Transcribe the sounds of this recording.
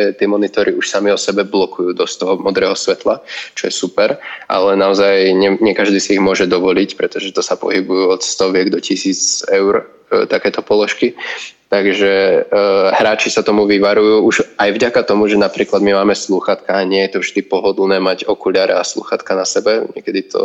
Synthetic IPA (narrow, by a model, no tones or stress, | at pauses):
t̪ɪɛmɔnit̪ɔɾiuʃsamiɔsɛbɛblɔkujuːd̪ɔst̪ɔɦɔmɔd̪ɾɛːɦɔsʋɛt̪lat͡ʃɔjɛsupɛɾʔa̰lɛnaɔzajɲɛɲɛkaʒd̪iːsiiɣmʊɔʒɛd̪ɔʋɔlicpɾɛt̪ɔʒɛt̪ɔsapɔ̰ɦibujuɔt̪st̪ɔʋɪɛɡd̪ɔcisiːt͡sɛʊɾ | t̪akɛːt̪ɔpɔlɔʃkit̪aɡʒɛ | ɦɾaːt͡ʃisat̪ɔmuʋiʋaɾujuːuʒajvɟakat̪ɔmuʒɛnapɾiːklad̪mimaːmɛsluxat̪kaaɲɪɛjɛt̪ɔvʒd̪ipɔɦɔd̪l̩nɛːmaɟɔkulɪaɾɛ̰aslṵːxat̪kanasɛbɛɲɛkɛd̪it̪ʰɔ̰